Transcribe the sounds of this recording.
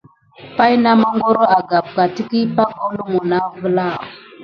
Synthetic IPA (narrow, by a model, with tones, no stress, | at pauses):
pa˦jna˦ma˦ŋɡo˦ɾo˦a˨ɡa˨b̚ka˨ti˦ki˦pa˦ko˦lu˦mu˨na˦və˦la˦˨